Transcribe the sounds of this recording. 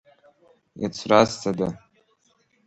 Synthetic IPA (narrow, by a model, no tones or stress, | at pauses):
jat͡sʷʰrastʰada